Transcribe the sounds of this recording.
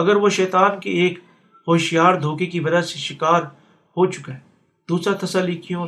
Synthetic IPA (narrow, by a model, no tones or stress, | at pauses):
ɐɡəɾʋoʃɛːt̪aːnkeeːk | hoːʃijaːɾd̪ʱoːkekibɐd͡ʒaseʃɪkaːɾ | ɦot͡ʃʊ̥ke | d̪uːsɾat̪ʰɐsalːikijõ